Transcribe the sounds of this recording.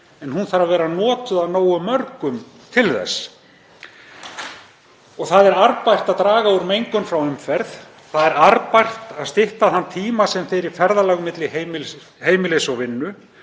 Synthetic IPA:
ɛnhunθaɾavɛːɾanɔːt̪ʏðaðnoːwʏmœɾkʏm | t̪ʰɪlθɛ̰s | ɔɣθaðɛɾaɾpajr̥t̪aðt̪ɾaːɣauɾmejŋkʏnfɾawʏmfɛɾθ | θaðɛɾaɾpajr̥t̪aðst̪ɪht̪aθant̪ʰiːmasɛmfɛɾɪɾ̥fɛɾðalaɣmɪt̪lɪhem | heːjmɪlesɔɣvɪnːʏ

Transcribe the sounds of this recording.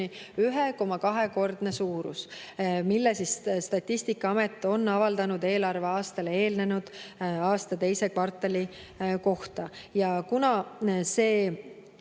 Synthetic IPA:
iyɦeko̞mɑkɑɦe̞ko̞rd̪̥ne̞suːɾṵsmilːesisst̪ɑt̪ʲːisʲt̪ikːˑɑɑmet̪ːˑo̞nːɑvɑld̪̥ɑnud̪e̞ːlɑrve̞ɑːst̪ɑlee̞ːlne̞nud̪̥ɑːst̪ɑt̪e̞jse̞kvɑrt̪ːˑeli | ko̞ht̪ɑjɑkunɑse̞ː

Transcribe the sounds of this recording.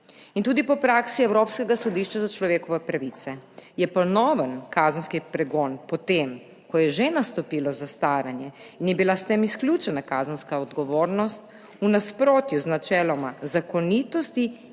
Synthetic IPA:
int̪uːd̪ipɔpɾaːksiɛwɾoːpskɛɡasɔd̪iːʃt͡ʃazat͡ʃlɔʋeːkɔʋɛpɾaʋiːt̪sɛjɛpɔnɔːʋənkaːzənskipɾɛɡɔːnpɔt̪eːm | kɔjɛʒenast̪ɔpiːlɔzast̪aːɾanjɛinjɛbilast̪eːmisklʲjuːt͡ʃɛnakaːzənskaɔd̪ɡɔʋoːɾnɔst̪̚ | unaspɾoːt̪juznat͡ʃɛːlɔmazakɔnit̪ɔst̪i

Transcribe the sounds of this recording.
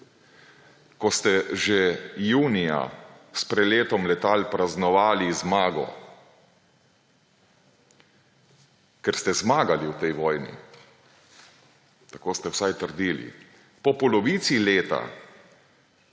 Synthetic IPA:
kɔst̪ɛʒejuːnija̰ | spɾɛdleːt̪ɔmlɛt̪aːlpɾaznɔʋaːlizmaːɡɔ̰ | kɛɾst̪ɛzmaːɡaliwt̪ɛjʋɔːjnḭ | t̪akoːst̪ɛwsajt̪əɾd̪iːlḭ | pɔpɔlɔʋiːt̪sileːt̪a̰

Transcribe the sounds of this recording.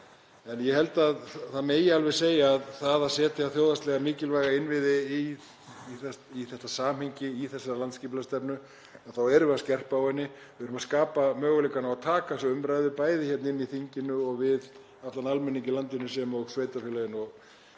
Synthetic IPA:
ɛnjɛhɛlt̪aðθaðmeːjɪalvɛɾ̥seːjaːðθaðasɛːt̪ɪaθjoːwðast̪lɛɣamiːcɪlvaːjɣaɪnvɪðɪ | iθɛiθɛht̪ːasaːmhejɲcɪiθɛsːaɾlant̪sciːplast̪ɛpnʏ | aðθawɛɾʏvɛɾðascɛr̥paawhɛnːɪ | vɪðʏɾʏmaskaːpamœːɣʏlekːanaat̪ʰaːkasɛʏmɾajðɪpaːjðɪçɛt̪nɪnːiθiɲcɪnʏɔɣvɪð | aft̪analmɛnːiɲcɪlant̪ɪnːʏs̬ɛmɔɣsveːjt̪afɪlajɪnɔɣ

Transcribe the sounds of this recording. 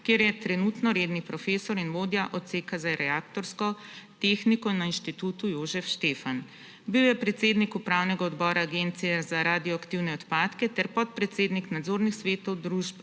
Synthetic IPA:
kjeːɾjɛt̪ɾɛnut̪nɔɾeːd̪nipɾɔfeːsɔɾinʋoːd̪jaʔɔt̪seːkazaɾɛaːk̚t̪ɔɾskɔt̪exnikɔnainʃt̪it̪uːt̪ujoːzɛfʃt̪eːfan | biwjɛpɾɛt̪seːd̪nikupɾaːwnɛɡaɔd̪bɔːɾaːɡent̪siɛzaɾaːd̪ijɔakt̪iwnɛɔt̪paːt̪kɛt̪ɛɾpɔt̪̚pɾɛt̪seːd̪niknad̪zoːɾnixsʋeːt̪ɔwd̪ɾuʒp

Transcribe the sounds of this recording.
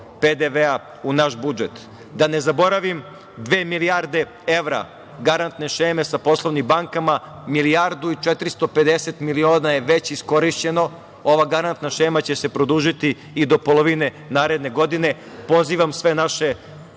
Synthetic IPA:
ped̪eʋea | unaʃbud͡ʒet̪ | d̪ane̞zabo̞ɾaʋim | d̪ʋeːmilijaɾd̪e | eʋɾa̰ | ɡaɾant̪ne̞ʃeːme̞sapo̞slˠoʋnimbaŋkama | miliaɾd̪uit͡ʃɛt̪ɾist̪o̞pe̞d̪eset̪milio̞ːnaje̞ʋet͡ɕisko̞ɾiʃt͡ɕe̞no̞ | o̞ʋaɡaɾant̪naʃeːmat͡ɕe̞se̞pɾod̪uːʒit̪iː | d̪o̞polˠo̞ʋine | naːɾe̞d̪ne̞ɡo̞d̪ine̞ | po̞ziːʋamsʋe̞naʃe

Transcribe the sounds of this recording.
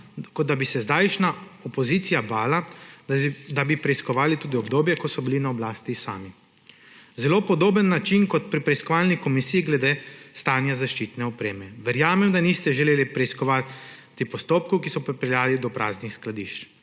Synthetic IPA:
kɔd̪d̪abisɛzd̪aːjʃnaɔpɔziːt̪sijabaːla | d̪abipɾɛiskɔʋaːlit̪uːd̪iɔbd̪oːbjɛkɔsɔbilinaɔblaːst̪isa̰ːmi | zɛloːpɔd̪oːbənːat͡ʃinkɔt̪pɾipɾɛiskɔʋaːlnikɔmisiːiɡlɛd̪eːst̪aːnjazaʃt͡ʃit̪nɛɔpɾeːmɛʋɛɾjaːmɛmd̪anist̪ɛʒɛleːlipɾɛiskɔʋat̪ː | ipɔst̪oːp̚kɔwkisɔpɾipɛljaːlid̪ɔpɾa̰ːznixsklad̪iʃt͡ʃ

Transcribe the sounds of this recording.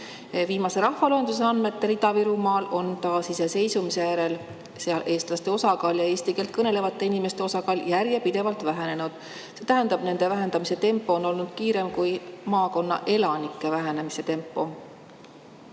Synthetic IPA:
viːmɑse̞ɾɑhvɑloɦend̪us̬e̞ɑnme̞t̪ːeɾid̪ɑviɾumɑːlo̞nt̪ɑːsise̞se̞jsumise̞jæɾe̞l | seɑlʔe̞ːst̪lɑst̪e̞o̞sɑkɑːljɑeːst̪ikelt̪̚kɤne̞le̞vɑt̪ːˑe̞inime̞st̪e̞osɑkɑːljæɾjepid̪̥e̞vɑlt̪væɦene̞nud̪̥ | se̞t̪æɦend̪̥ɑb̥ne̞nd̪e̞væɦe̞nd̪ɑmise̞t̪e̞mpːˑo̞ːnːo̞lnud̪̥̚kiːɾe̞mkujmɑːko̞nːɑ̰ʔe̞lɑnikːˑe̞væɦene̞mise̞t̪e̞mpːˑo̞

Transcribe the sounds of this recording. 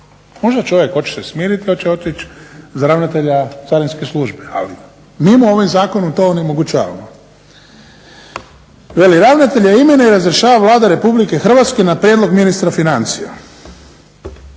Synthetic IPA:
mo̞ʒd̪at͡ʃo̞ʋjekho̞t͡ʃe̥sesmiːɾit̪iot͡ɕeo̞t̪it͡ʃzaɾaʋnat̪eʎat̪saɾinskeslˠuʒbea̰li | mimuo̞ʋimzaːkonomt̪o̞onemo̞ɡut͡ʃa̰ːʋa̰mo | ʋe̞liɾaʋnat̪e̞ʎaimenaiɾazɾeʃaːʋaʋlˠaːd̪aɾe̞publikexr̩ʋat̪ske̞napɾjeːd̪lˠo̞ɡminist̪ɾafinant̪sija̰

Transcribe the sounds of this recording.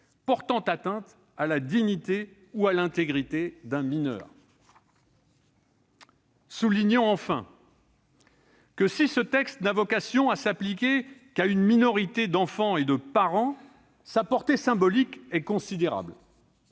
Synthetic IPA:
pɔʁt̪ɑ̃t̪at̪ɛ̃t̪ | alad̪iɲit̪e | ualɛ̃t̪eɡʁit̪ed̪ɛ̃minœ̰ːʁ | suliɲɔ̃ɑ̃fɛ̰̃ | kəsisət̪ɛkst̪̚navɔkasjɔ̃asaplikʲekaynminɔʁit̪ed̪ɑ̃fɑ̃ed̪əpaʁɑ̃ | sapɔʁt̪esɛ̃bɔlikɛkɔ̃sid̪eʁa̰bl

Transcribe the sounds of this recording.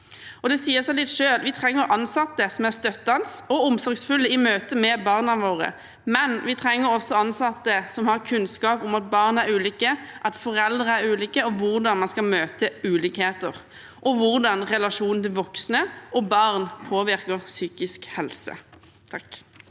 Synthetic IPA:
ɔd̪ɛsiːəsɛlɪt̪ʃøːlʋɪt̪ʰʁɛŋːəɾʔɑnsɑt̪ːəsɔmæʁst̪œt̪ːɑnsɔʊmsɔɾɡsfʉlːəɪmøːt̪əmɛbɑʁnɑʋoːʁə̰ | mɛnʋɪt̪ʰʁɛŋːəɾɔsːɔɑnsɑt̪ːəsɔmhɑʁkʰʉnskɑːpʊmɑt̪̚bɑːʁnæɾʉːliːkəʔɑt̪fɔʁɛld̪ʁəæɾʉːliːkəɔʋʊʁd̪ɑnmɑnskɑmøːt̪əʉːliːkheːt̪əʁ | ʔɔʋʊʁd̪ɑnʁɛlɑʂuːnnt̪ɪlʋɔksnəʔɔbɑʁnpʰoːʋɪʁkəʁsyːkɪskhɛlsə̰ | t̪ʰɑk

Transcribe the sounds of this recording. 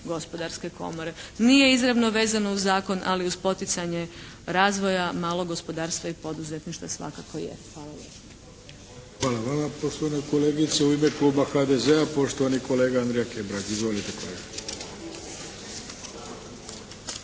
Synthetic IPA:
ɡo̞spo̞d̪aɾske̞ko̞̰moɾe̞nije̞izɾaʋno̞ʋe̞ːzano̞uzːaːko̞nʔa̰liuzpo̞t̪it̪saɲe | ɾaːzʋo̞jamaːlˠo̞ɡo̞spo̞d̪aːɾst̪ʋaipo̞d̪uzet̪niʃt̪ʋasʋa̰kakojḛxʋaːlˠale | xʋaːlaʋamapo̞ʃt̪oanekoleːɡit̪seuimekluːbaxad̪ezeapo̞ʃt̪oʋaniko̞leːɡaand̪ɾejakebɾad͡ʒizʋo̞lit̪ekoleɡa

